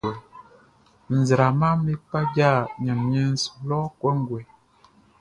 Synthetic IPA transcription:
n̩˨zɾa˨ma˦mmi˦k͡pa˦d͡ʒa˦˨ɲa˨mmɛ˦n˦slɔ˦kwɔ˦ŋ˦ɡwɛ˨

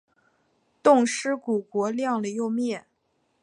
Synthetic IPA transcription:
t̪ʊ˥˩ŋʂɻ̩˥ku˨˩kwɔ˧˥ljɑ˥˩ŋlə˩jo˥˧ʊmjɛ˥˩n

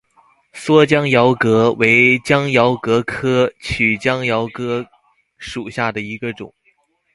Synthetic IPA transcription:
swɔ˥t͡ɕjɑ˥ŋjɑ˧˥ʊkɤ˧˥we˧˥ɪt͡ɕjɑ˥ŋjɑ˧˥ʊkɤ˧˥kʰɤ˥t͡ɕʰy˨˩t͡ɕjɑ˥ŋjɑ˧˥ʊkɤ˧˥ | ʂu˨˩ɕja˥˩d̪ə˩i˧˥ɡə˧ʈ͡ʂʊ̰˨˩˦ŋ

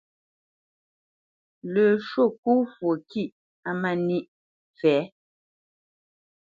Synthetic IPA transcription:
lø˨ʃo˦˨k̚u˦fwo˨ki˦˨ʔ | a˦mɛ˦˨ni˦ʔ | fɛː˨˦

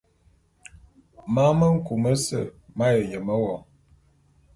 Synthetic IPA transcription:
ma˦mə˦ŋ̩˦ku˨mə˦sə̰˦˨ma˦jə˨jə˨mə˦wɔ˨ŋ

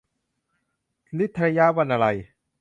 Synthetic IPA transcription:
li˦˥t̪ʰːɾa˧ja˦˥wa˧nʔa˧ɾa˧j

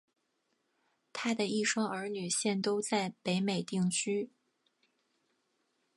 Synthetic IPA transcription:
t̪ʰa˥d̪ə˨i˥˩ʂwɑ˥ŋə˞˧˥ny˨˩ɕjɛ˥˩nt̪o˥ʊt͡sa˥˩ɪpe˧˥ɪme˨˩ɪt̪i˥˩ŋt͡ɕʰy˥

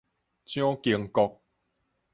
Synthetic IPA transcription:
t͡ɕjɔ̃˦ki˧əŋkɔ˧k̚

